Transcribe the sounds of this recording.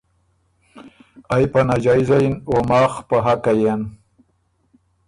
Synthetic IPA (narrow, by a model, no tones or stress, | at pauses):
ajpanad͡ʒajzainomɑːxpaɦakajen